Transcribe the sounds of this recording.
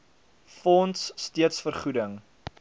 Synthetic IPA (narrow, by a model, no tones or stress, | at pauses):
fɔntsːtiətsfərχudəŋ